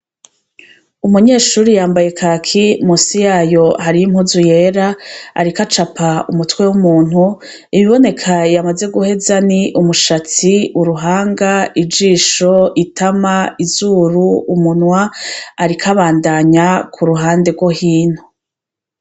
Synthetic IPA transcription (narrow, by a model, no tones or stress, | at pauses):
umuɲe̞ːʃuːɾijaːmbaje̞kʰaːkʰimusijaːjo̞haɾijim̥huzuje̞ːɾaa̰ɾikat͡ʃapʰaumutwe̞wumuːn̥hu | iβiβo̞ne̞kʰajamaze̞ɡuhe̞zaniʔumuʃat͡siuɾuɦaːŋɡaid͡ʒiːʃo̞itʰamaizuːɾuːmunwaːɾikʰaβaːndaɲakʰuɾuɦaːnde̞ɡwo̞hiːn̥ho